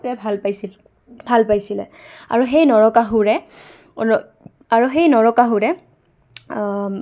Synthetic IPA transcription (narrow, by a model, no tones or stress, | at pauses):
ɹɛbʱalpajsi | bʱalpajsilɛ̰a̰ɹuɦejnɔɹɔkaɦʊɹɛ | ɔ | aɹuxejnɔɹɔkaɦʊɹɛ